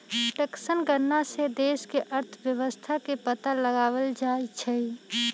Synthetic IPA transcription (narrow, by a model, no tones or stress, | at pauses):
ʈəksənɡəɾnased̪eːʃkeʔəɾt̪ʰʋjəwəst̪ʰakepət̪aləɡaːwəld͡ʒaːit͡ʃʰɛi